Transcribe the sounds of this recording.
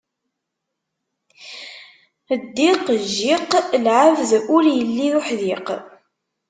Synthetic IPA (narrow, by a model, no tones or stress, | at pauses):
əd̪ːiqʒːiqlʕəvðʊɾjəlːiðʊħðiq